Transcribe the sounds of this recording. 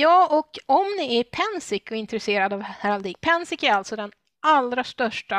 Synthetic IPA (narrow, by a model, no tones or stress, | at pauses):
jɑːʔɔkɔmnɪæɾpʰɛnsɪkɔɪnt̪ɾɛseːɾad̪avhæɾald̪iːk̚pʰɛnsɪkæɾalt̪sɔd̪ɛn | ʔalɾast̪œʂʈa